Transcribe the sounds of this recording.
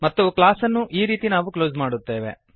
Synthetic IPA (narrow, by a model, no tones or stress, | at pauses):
mɐt̪ːuklaːsɐnːuʔiːɾiːt̪inaːʋukloːzmaːɽut̪ːe̞ːʋe̞̰